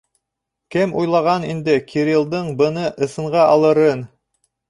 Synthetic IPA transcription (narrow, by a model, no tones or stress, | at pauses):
kɘmʔujlˠɑʁɑnḭnd̪ɘkʲʰiɾʲilˠd̪ɤɴbɤ̆nɤʔɤ̆sɤ̆ɴʁɑʔɑlˠɤ̆ɾɤn